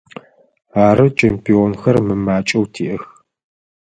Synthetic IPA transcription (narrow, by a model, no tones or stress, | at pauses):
aːɾɨt͡ʃʰempʰionxɐrmɨmaːt͡ʃʼɐwtʰiːʔəx